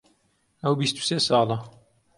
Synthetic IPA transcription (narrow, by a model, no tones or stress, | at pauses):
ɐwbist̪u̥seːsɑːlˠɐ